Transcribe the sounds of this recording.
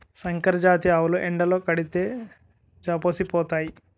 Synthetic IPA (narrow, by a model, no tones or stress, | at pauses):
sɐŋkɐɾɐd͡ʒaːt̪iaːwuluʔeɳɖɐloːkɐɽit̪e̞ː | d͡ʒaːpoːsipɔːt̪aːji